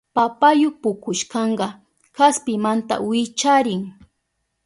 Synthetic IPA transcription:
papajʊpʊkʊʃkɑɴɢɑ | kaspɪmant̪a̰wɪt͡ʃaɾɪŋ

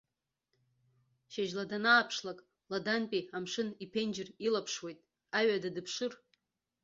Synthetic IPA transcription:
ʃaʒladanaːpʰʂlakʼ | ladanpʼiamʂɨnipʰend͡ʒɪrilapʰʂwe̞jtʼ | aɥadadɨpʰʂɨr

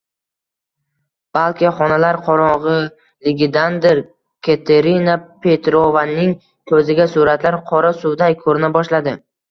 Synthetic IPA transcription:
b̥alˠkʲɪχɒnalaɾqʰɒɾɒʁɨ | lɪɡʲɪd̪and̪ɪɾ | kʲʰet̪ʰeɾinapʰe̞t̪ɾovanːɪŋ | k̪ʰɵzɪɡʲasʊɾat̪laɾqʰɒɾasʊwd̪ajkʰɵɾɪnabɒʃlad̪ɪ

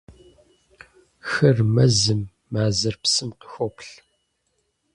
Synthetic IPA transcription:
xɐrmɐzɨmː | aːzɐrpsɨmqə̥xʷopɬ

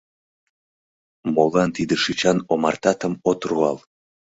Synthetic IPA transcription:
molˠɑnt̪id̪əʃit͡ɕɑnomɑrt̪ɑt̪əmot̪ruɑ̰l

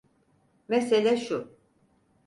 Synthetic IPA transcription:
meselʲæʃu

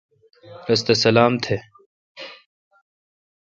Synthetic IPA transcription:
ɾɐst̪esɐlaːmt̪ʰe

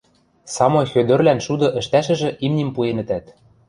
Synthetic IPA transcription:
sɑmŏxød̪ø̆rlænʃud̪ɤ̆ʔɘ̆ʃt̪æʃɘ̆ʒɘ̆ʔimnʲimpuenɘ̆t̪æt̪

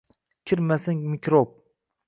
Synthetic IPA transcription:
kʲʰiɾmasɪŋmikʲɾop̚

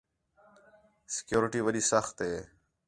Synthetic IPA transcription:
sɪ̥kjoːɾɪʈiːʋəɗiːsəxt̪ɦeː

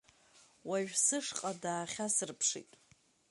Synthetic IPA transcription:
waʒᶣsɨʂqʼadaːχʲasɨrpʰʂḭtʼ

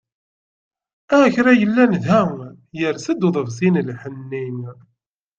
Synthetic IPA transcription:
æçɾæjəlːænðæ | jəɾsəd̪uðˤəvzinlħənːim

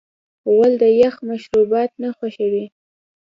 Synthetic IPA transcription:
wald̪əjaxmaʃɾubɑt̪̚naxwaʃawi

